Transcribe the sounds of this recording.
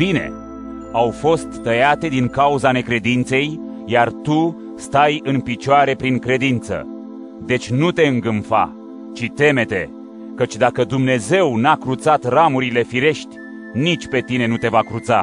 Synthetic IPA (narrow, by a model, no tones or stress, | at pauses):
b̥ine̞̰ | awfo̞st̪ːəjat̪e̞d̪iŋkauzane̞kɾe̞d̪int̪se̞j | jart̪u | st̪ajɨnpit͡ʃoaɾe̞pɾiŋkɾe̞d̪int̪sə̰ | d̪e̞t͡ʃʲnut̪e̞ɨŋɡɨmfa̰ | t͡ʃit̪e̞me̞t̪e̞ | kət͡ʃʲd̪akəd̪umne̞ze̞wnakɾut̪sat̪ramuɾile̞fiɾe̞ʃt̪ʲ | nit͡ʃʲpe̞t̪ine̞nut̪e̞vakɾut̪sa̰